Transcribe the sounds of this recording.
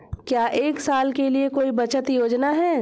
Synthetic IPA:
kjaːʔeːksaːlkeliekoːibɐt͡ʃət̪joːd͡ʒnaɦɛː

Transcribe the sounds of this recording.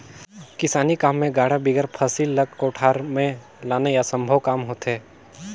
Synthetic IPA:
kɪsaːnikaːmːẽɡaːɽabiɡəɾpʰəsilːəɡ̚koːʈʰaːɾmẽ | laːnejasə̃mbʱəʋkaːmɦoːt̪ɦɛː

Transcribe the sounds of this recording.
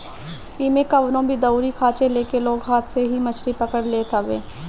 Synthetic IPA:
iːmekɐʋnõbʱid̪ɐuɾikʰaːt͡ʃeleːkeloːɡɦaːt̪ʰseɦimɐt͡ʃʰɾipɐkəɽleːt̪ʰaʋḛː

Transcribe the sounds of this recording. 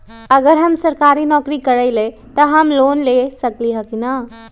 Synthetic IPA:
əɡəɾɦəmsəɾkaɾinɔkɾikəɾəɪle | t̪əɦəmlonlesəkliɦəkina

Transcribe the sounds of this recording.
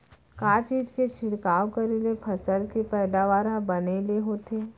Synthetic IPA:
kaːt͡ʃiːd͡ʒket͡ʃʰɪnkaːʋwkəɾelepʰɐsəlkepɛːd̪aʋaːɾãbɐneleɦoːt̪eː

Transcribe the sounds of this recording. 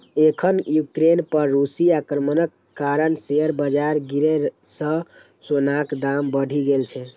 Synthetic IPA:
ekʰənjukɾenpəɾːusiakɾəmənəkːaɾənseəɾbəd͡ʒaɾɡiɾesə̃ | sonakd̪ambəɽʱiɡelt͡ʃʰɛ

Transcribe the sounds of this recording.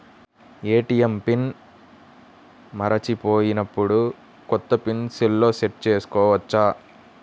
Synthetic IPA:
eːʈijɐmpin | mɐɾɐt͡ʃipo̞ːjinɐpːuɽu | kɔt̪ːɐpinselːo̞ːseʈ̚t͡ʃeːsu̥kɔːʋɐt͡ʃːaː

